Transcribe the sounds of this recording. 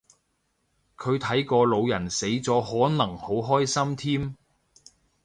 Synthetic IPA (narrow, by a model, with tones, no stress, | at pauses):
kʰɵ˨˧ɥt̪ʰɐ˨˥jkɔː˧lo˨˧wjɐ˨˩nse˨˥jt͡sɔː˨˥hɔː˨˥nɐ˨˩ŋho˨˥wɦɔː˥jsɐ˥mt̪ʰiː˥m